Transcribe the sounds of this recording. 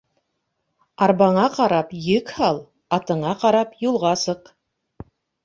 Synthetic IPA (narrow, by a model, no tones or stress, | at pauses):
ɑɾbɑɴɑqɑɾɑpjɘkhɑlˠ | ɑt̪ɤ̆ɴɑqɑɾɑpjulˠʁɑsɤq